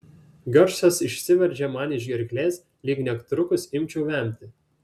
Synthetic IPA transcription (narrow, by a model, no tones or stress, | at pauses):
ɡʲɔɾʲsʲosɪʃʲsʲɪʋʲɛɾʲd͡ʒʲɛmɑːnʲɪʒʲɡʲɛɾʲkʲlʲeːs | lʲiːɡnʲɛkt̪ɾʊkʊsɪmʲt͡ʃʲuːʋʲæˑmʲt̪ʲɪ